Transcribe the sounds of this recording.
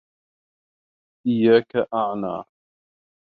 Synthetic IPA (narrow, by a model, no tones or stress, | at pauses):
ʔɪjːaːkaʔaʕna̰ː